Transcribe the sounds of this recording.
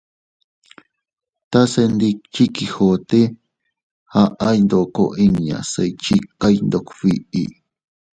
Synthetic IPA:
t̪a˦se˧nd̪i˧k̚t͡ʃi˦kiho˨t̪e˦ | ha˦ʔa˦jnd̪o˨ko̰˨ʔi˧ŋɲã̰˨se˧it͡ʃi˦kːa˦jnd̪o˨kfiʔḭ˨

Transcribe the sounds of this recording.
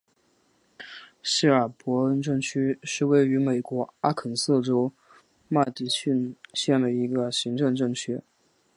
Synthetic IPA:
ɕi˥˩ə˞˨˩pwɔ˧˥ə˧˥nʈ͡ʂɤ˥˩ŋt͡ɕʰy˥ʂɻ̩˥˧we˥˩ɪy˧˥me˨˩ɪkwɔ˧˥a˥kʰə˨˩nsɤ˥˩ʈ͡ʂo˥ʊ | ma˥˩ɪt̪i˧˥t͡ɕʰy˥˧nɕjɛ˥˩nd̪ə˩i˧˥ɡə˧ɕi˧˥ŋʈ͡ʂɤ˥˧ŋʈ͡ʂɤ˥˩ŋt͡ɕʰy˥

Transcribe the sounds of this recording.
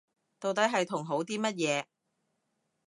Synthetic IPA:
t̪o˨wt̪ɐ˨˥jɦɐ˨jt̪ʰʊ˨˩ŋɦo˨˥wt̪iː˥mɐ˥t̚jɛː˨˧

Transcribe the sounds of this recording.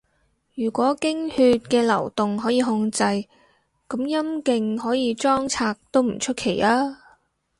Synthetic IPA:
jyː˨˩kʷɔː˨˥kɪ˥ŋhyː˧t̚kɛː˧lɐ̰˨˩wt̪ʊ˨ŋɦɔː˨˥jiː˧ɦʊ˧ŋt͡sɐ˧j | kɐ˨˥mjɐ˥mkɪ˧ŋɦɔː˨˥jiː˨˧t͡ʃɔː˥ŋt͡sʰaː˧k̚t̪o˥wm̩˨˩t͡ʃʰɵ˥t̚kʰe˨˩jaː˥

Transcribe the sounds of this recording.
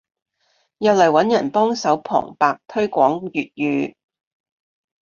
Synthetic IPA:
jɐ˨wlɐ˨˩jwɐ˨˥njɐ˨˩npɔː˥ŋsɐ˨˥wpʰɔ̰ː˨˩ŋpaː˨k̚t̪ʰɵ˥ɥkʷɔː˨˥ŋjyː˨t̚jyː˨˧

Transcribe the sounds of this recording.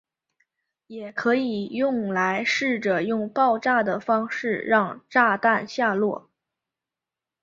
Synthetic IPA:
jɛ˨˩kʰɤ˧˥i˨˩jʊ˥˩ŋla˧˥ɪʂɻ̩˥˩ʈ͡ʂɤ˨˩jʊ˥˧ŋpɑ˥˧ʊʈ͡ʂa˥˩d̪ə˩fɑ˥ŋʂɻ̩˥˩ɻɑ˥˧ŋʈ͡ʂa˥˧t̪a˥˧nɕja˥˧lwɔ̰˥˩

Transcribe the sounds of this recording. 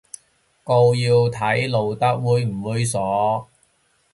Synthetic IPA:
ko˧wjiː˧wt̪ʰɐ˨˥jlo˨wt̪ɐ˥k̚wuː˨˧jm̩˨˩wuː˨˧jsɔː˨˥

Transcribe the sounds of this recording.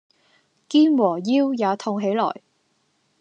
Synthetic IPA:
kiː˥nwɔː˨˩jiː˥wjaː˨˧t̪ʰʊ˧ŋɦe˨˥jlɔ̰ː˨˩j

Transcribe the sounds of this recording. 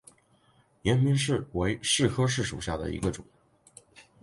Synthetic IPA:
jɛ˧˥nmi˧˥nʂɻ̩˥˩we˧˥ɪʂɻ̩˥˩kʰɤ˥ʂ̬ɻ̩˥˩ʂṵ˨˩ɕja˥˩d̪ə̰˩ḭ˧˥ɡə˧ʈ͡ʂʊ̰˨˩˦ŋ

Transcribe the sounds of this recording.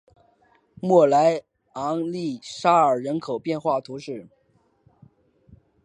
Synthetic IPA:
mwɔ˥˩la˧˥ɪ | ɑ˧˥ŋli˥˩ʂa˥ə˞˨˩ɻə˧˥nkʰo˨˩ʊpjɛ˥˧nxwa˥˩t̪ʰu˧˥ʂɻ̩˥˩

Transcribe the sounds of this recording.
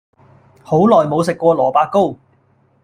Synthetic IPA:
ho˨˥wlɔː˨˩jmo˨˧wsɪ˨kːʷɔː˧lɔː˨˩paː˧kːo˥w

